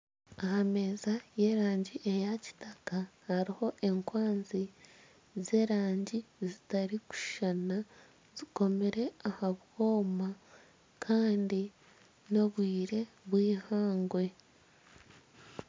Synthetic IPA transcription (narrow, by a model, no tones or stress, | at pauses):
ahame̞ːzaje̞ɾaːɲɟiʔe̞jaci̥takahaɾiho̞ʔe̞ŋkwaːnzi | ze̞ːɾaːɲɟizitaɾiku̥ʃana | z̥iko̞me̞ɾe̞ahaβwo̞ːma | kʰaːndi | no̞βwiːɾe̞ | βwiːhaːŋɡwe̞